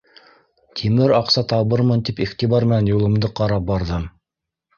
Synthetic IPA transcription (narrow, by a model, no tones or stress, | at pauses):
t̪ʰimɘɾɑqsɑt̪ɑβɤɾmɤnt̪ipiχt̪iβɑɾmɘ̆nænjulˠɤ̆md̪ɤqɑɾɑp̚bɑɾðɤm